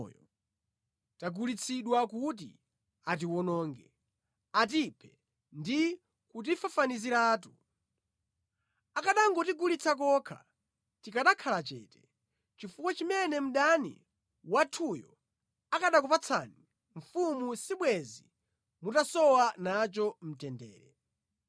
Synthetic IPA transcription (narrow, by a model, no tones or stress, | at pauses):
j | taɡulit͡sʰiɗwakut̬ḭ | at̬iwɔnɔːŋɡɛ | at̬ipʰɛ | ndi | kut̬ifafaniziɾaːtu | akaɗaŋɡɔtiɡulit͡sʰak̬ɔkʰa̰ | tikaɗakʰalat͡ʃɛ̰ːtɛ̥ | t͡ʃifukwat͡ʃimɛnɛm̩ɗanḭ | watʰujɔ̰ | akaɗak̬upat͡sʰa̰ːni | ɱ̩fumusiɓwɛzi | mutasɔwanat͡ʃɔm̩tɛndɛ̰ːɾɛ